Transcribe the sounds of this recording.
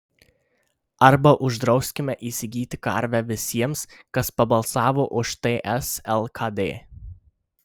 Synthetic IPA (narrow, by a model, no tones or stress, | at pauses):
ɐɾbɐʔʊʒd̪ɾɒʊsʲkʲɪmʲɛʔiːsʲɪɡʲiːt̪ʲɪkɐ̰ɾʲˑʋʲæʋʲɪsʲiɛmskɐspɐbɐlˠsɑːʋoːʔʊʃt̪eʔɛsɛlˠkʰɐd̪ʲḛː